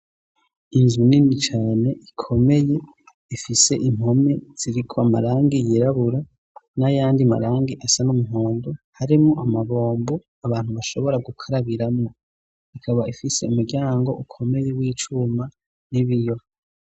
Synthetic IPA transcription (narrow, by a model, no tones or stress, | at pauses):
inzuninit͡ʃaːne̞ʔikʰo̞me̞je̞ | ifise̞ʔim̥ho̞me̞z̥iɾikʰoama̰ɾaːŋɡijiɾaβuɾa | najaːndiama̰ɾaːŋɡiʔasanumuɦoːndohaɾimŋoʔamaβo̞ːmbo | aβaːn̥huβaʃo̞βo̞ɾaɡukʰaɾaβiɾamŋo̞ | ikʰaβaifise̞umuɡɟaːŋɡo̞̰ʔukʰo̞me̞jewiːt͡ʃuma | niβijo